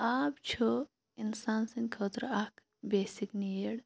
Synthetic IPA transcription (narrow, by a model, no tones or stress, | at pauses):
aːbt͡ʃʰu | insaːnsɐnkʰəːt̪ɾakʰ | beːsiknieɽ